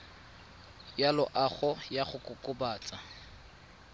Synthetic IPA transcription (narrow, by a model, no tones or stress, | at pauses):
jalʊʔaχɔjaχʊkʼʊkʼʊbaːt͡sʼa